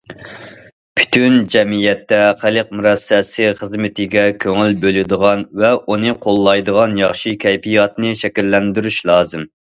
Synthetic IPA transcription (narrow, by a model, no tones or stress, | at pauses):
pʰy̥t̪ʰynd͡ʒɛmijɛt̪ːɛχælˠəq̚muɾɛsɛsɪχəzmɪt̪ʰɪɡʲɛkʲʰøŋylbølɪd̪əʁɑnvɛunɨqʰolˠːɑjd̪əʁɑnjɑχʃikʲʰɛjpʰijɑt̪nɨʃɛkʲilːɛnd̪yɾyʃlˠɑːzɨm